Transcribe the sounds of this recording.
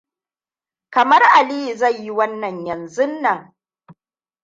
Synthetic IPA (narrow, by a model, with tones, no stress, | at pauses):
kɐ˨mɐ˦rʔa˨liː˦˨zɐ˦˨jji˦wɐ˦nːɐ˨ɲjɐ˨nzʊ˦nːɐ˨ŋ